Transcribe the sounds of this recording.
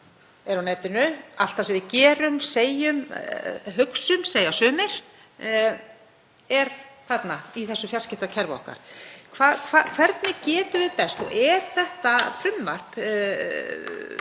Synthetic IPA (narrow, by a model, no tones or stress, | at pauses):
ɛɾawnɛːt̪ɪnʏal̥t̪θasɛmvɪðcɛːɾʏmseːjʏm | ɦʏksʏmseːjasœːmɪɾ̥ | ɛɾ̥θat̪naiθɛsːʏfjalscɪht̪acʰɛɾvaɔ̰hka̰ɾ̥kʰvaːðkʰvakʰvɛɾt̪nɪcɛːt̪ʏvɪðpɛst̪ɔ̰ɣɛɾ̥θɛht̪afɾʏnt̪mar̥p